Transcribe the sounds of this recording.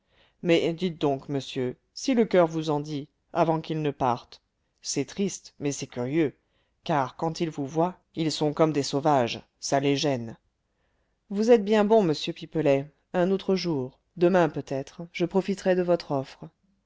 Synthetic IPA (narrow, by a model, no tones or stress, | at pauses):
mɛd̪it̪̚d̪ɔ̃kməsjø | siləkœʁvuzɑ̃d̪i | avɑ̃kilnəpaʁt̪ | sɛt̪χist̪mɛsɛkʲyʁjø | kaʁkɑ̃t̪ilvuvwa | ilsɔ̃kɔmd̪esovaʒ | saleʒɛn | vuzɛt̪̚bjɛ̃bɔ̃məsjøpipəlɛ | ɛ̃not̪χəʒuːʁ | d̪əmɛ̃pøt̪ɛt̪χʒ̥əpχɔfit̪χɛd̪əvɔt̪χɔfχə